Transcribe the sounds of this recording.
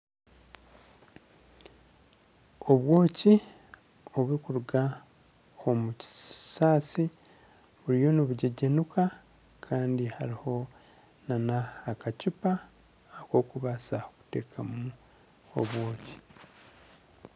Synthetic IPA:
o̞βwo̞ːci | o̞βuɾikuɾuɡa | omuci̥saːsi | βuɾijo̞niβuɟeɟenukʰa | kʰaːndihaɾiho̞ | nanaːkacupa | ako̞ːkuβasaoku̥te̞ːkʰamu | o̞̰βwo̞ːci̥

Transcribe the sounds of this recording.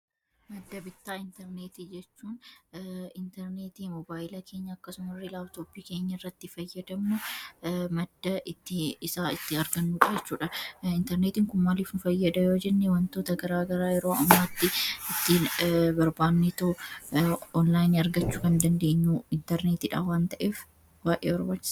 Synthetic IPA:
mɐd̪ːɐbɪt̪ːaːɪnt̪ɛɾneːt̪id͡ʒɛt͡ʃːuːn | ɪnt̪ɛɾneːt̪iːmɔbaːjɪlɐkʰe̞ːɲːɐːkːɐsʊmɐrːɪlaːbt̪oːpiːke̞ːɲːɐɪrːɐt̪ːɪfɐjːɐd̪ɐmnʊ | mɐd̪ːɐʔɪt̪ːɪɪsaːɪt̪ːɪɐɾɡɐnːuːᶑɐd͡ʒɛt͡ʃːuːᶑɐɪnt̪ɛɾneːt̪iːŋkʊmmaːliːfnʊfɐjːɐd̪ɐjoːd͡ʒɛnːewɐnt̪o̞ːt̪ɐɡɐɾaːɡɐɾaːjɛɾoːɐmːaːt̪ːɪɪt̪ːibɐɾbaːnːet̪ɐ | ɔnlaːjnɐɾɡɐt͡ʃːuːkɐnd̪ɐnd̪eːɲːuːɪnt̪ɛɾneːt̪iːᶑaːwaːnt̪ɐʔeːf | baːʔeːbɐɾbaːt͡ʃːɪs

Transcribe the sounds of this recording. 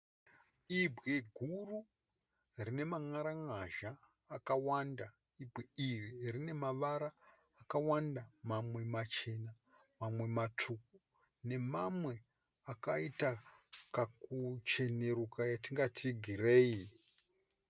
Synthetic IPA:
ibʱɣeɡʱuru | rine̞maŋaɾaŋaʒaːkawanda | ibɣeiririne̞maʋaɾaː | kawandamamwe̞mat͡ʃe̞na | mamwe̞matʰuk̚u | ne̞mamwe̞ | akaitakakut͡ʃe̞ne̞ɾukajatiŋɡatiɡʱire̞ːi

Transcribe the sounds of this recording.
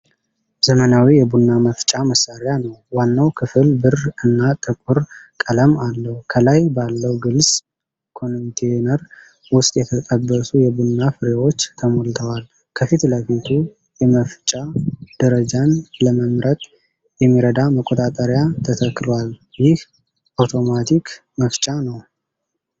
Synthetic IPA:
z̥əmənawijɛbunːaməft͡ʃʼaməsːaɾɪjanəwwanːawkʰɨfɨlbɨrɨnːat̪ʼɨkʼuɾkʼələmalːəhukʰəlajbalːəwɡɨlsʼ | kʰo̞nnt̪ʰenəɾ | wʊst̪ʼjɛt̪ʰət̪ʼəbːəsujɛbunːafɨɾewo̞t͡ʃːt̪ʰəmolt̪ʰəwal | kʰəfit̪ləfit̪ʰu | jɛməft͡ʃʼad̪̥əɾəd͡ʒanləməmɾət̪ʼ | jɛmːiɾəd̪aməkʼːo̞t̪ʼat̪ʼəɾjat̪ʰət̪ʰəkːlwaljɪh | ʔawt̪ʰo̞mat̪ʰik | məft͡ʃʼanəw

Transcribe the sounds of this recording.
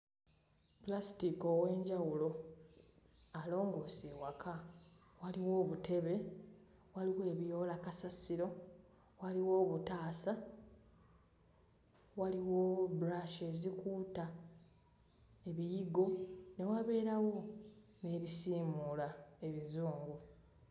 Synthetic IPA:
plastiko̞we̞ːɲɟawulo̞ | alo̞ːŋɡo̞ːseːwakʰa | waliwo̞ːβutʰe̞βe̞ | waliwoe̞βijo̞ːlakasasiɾo̞ | waliwo̞ːβutaːsa | waliwobɾaʃe̞zikuːta | e̞βijiɡo̞ne̞waβe̞ːɾawo̞ne̞ːβisiːmulae̞βizuːŋɡu

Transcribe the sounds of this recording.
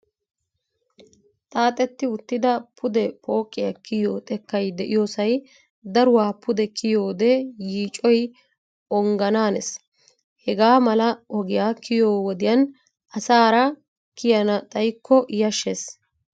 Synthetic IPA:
t̪ʼaːt̪ʼɛt̪ːɪʊt̪ːɪd̪ɐpʰʊd̪ɛpʰʼo̞ːkʼːɪjɐkɪjoːt̪ʼɛkːɐjd̪ɛʔɪjoːsɐj | d̪ɐɾʊwaːpʊd̪ɛkʰɪjoːd̪ɛjiːt͡ʃʼːɔj | ɔŋɡɐnaːnɛs | hɛɡaːmɐlɐɔɡɪjaːkʰɪjoːwɔd̪ɪjɐn | ʔɐsaːɾɐ | kɪjɐnɐt̪ʼɐjkːɔʔjɐʃːes

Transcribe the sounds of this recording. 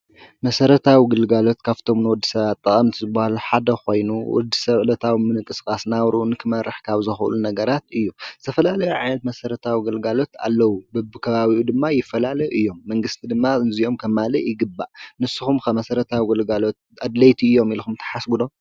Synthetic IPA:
mɐsɐɾɐt̪ʰawiɡɨlɡalo̞t̪kʰaft̪ʰo̞mnɨwɔd̪ːisɐβat̪ʼːɐχʼɐmt̪ʰizɨbːahaluħad̪ɐxo̞jnuwɔ̰d̪ːisɐβlɐt̪ʰawimɨnɨkʼɨskʼasnawɾʔunɨkʰɨmɐɾɨħkʰaβzɨxʔlunɐɡɐɾat̪ɨjːuzɨ̥t̪ʰɐfɐlalɐjuʕa̰jnɐt̪mɐsɐɾɐt̪ʰawiɡɨlɡalo̞t̪a̰lːɐwubɨbɨkʰɐβaβiʔud̪ɨmːajɪfːɐlalɐjʔɨjːo̞mːɐŋɡɨst̪ʰid̪ɨmːazio̞mkʰɐmːalɐjɪɡɨbːa̰ʔnɨsːɨxumkʰɐmɐsɐɾɐt̪ʰawiɡɨlɡalo̞t̪̚ʔad̪lɐjt̪ʰiɨjːo̞milxumt̪ʰɐ̥ħasɡud̪o̞

